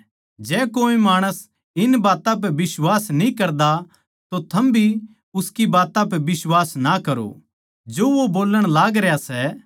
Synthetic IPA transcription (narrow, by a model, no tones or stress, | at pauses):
d͡ʒɛːkoːimaːɽ̃əs | ɪnbaːt̪ãp̬ɛʋɪswaːsnĩkɐɾd̪a | t̪ot̪ʰɐmbʱi | ʊskibaːt̪ãpɛʋɪswaːsnakɐɾo̰ | d͡ʒoːʋoboːləɽ̃laːɡɾɛjasɛ